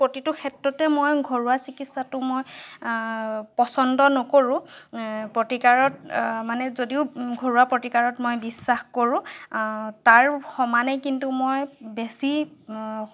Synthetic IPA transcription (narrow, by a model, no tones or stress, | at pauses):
pɹotitʊkʰɛtɹɔtɛmojɡʱoɹuasikitsatʊmoj | pɔsɔndɔnɔkoɹʊ̃ | pɹotikaɹɔtmanɛzodiʊɡʱoɹuwapɹotikaɹɔtmojbisːaxkoɹʊ̃ | taɹxɔmanɛkintumojbesi